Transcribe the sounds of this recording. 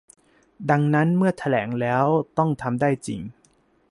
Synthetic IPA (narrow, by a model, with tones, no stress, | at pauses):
da˧ŋna˦˥nmɯ˥˩ɐt̪ʰa˧lɛ̰ː˩˦ŋlɛː˦˥wt̪ɔ˥˩ŋt̪ʰa˧mdaː˥˩jt͡ɕḭ˨ŋ